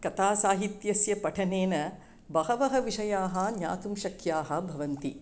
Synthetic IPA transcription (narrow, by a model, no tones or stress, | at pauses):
kɐt̪aːsaːɦit̪jɐsjɐpɐʈʰɐneːnɐ | bɐɦɐʋɐɦɐʋiʂɐjaːɦɐ̆ɲa̰ːt̪umʃɐkʰjaːɦɐ̆bʱɐʋɐnt̪i